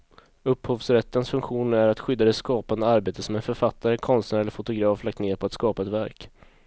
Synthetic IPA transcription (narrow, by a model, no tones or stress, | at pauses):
ɵphoːvsɾɛt̪ːənsfɵŋkɧuːnæɾat̪ɧʏd̪ːad̪ɛt̪skɑːpand̪əaɾbeːt̪əsɔmɛnfœɾfat̪ːaɾəkʰɔnst̪næɾɛlːəɾfʊt̪ʊɡɾɑːflak̚t̪neːɾpʰɔat̪skɑːpaɛt̪væɾk